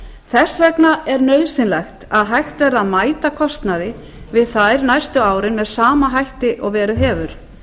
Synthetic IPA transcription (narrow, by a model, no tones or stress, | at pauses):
θɛsɛknaɛɾnœːɥðsɪnlɛxt̪aðɦajxt̪vɛɾðaðmaːjt̪akʰɔst̪naðɪ | vɪðθajɾnajst̪ʏaːwɾɪnmɛðsaːmaɦajht̪ɪʔɔɣvɛːɾʏɦɛːvʏɾ̥